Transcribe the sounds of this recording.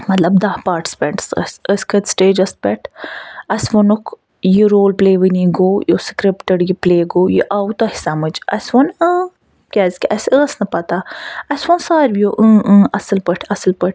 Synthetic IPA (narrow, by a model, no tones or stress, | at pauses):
mɐt̪lɐbd̪ɐhpaːɾʈspʲɛɳʈsə̰sʲəsʲkʰət̪sʈeːd͡ʒɐs̚bɛʈʰɐsʋonukʰ | jiɾoːlpleːʋəniɡoːjoskɾipʈəɖjipleːɡoːjḭʔawt̪ohisamɨd͡ʒɐ̰sʲʋɐnəː | kʲaːzkʲʔɐsəːsnɐpɐt̪aɐsʲʋonsaːɾbjoʔə̃ːʔə̃ːɐsəlpəʈʰɐsəlpəʈʰʲ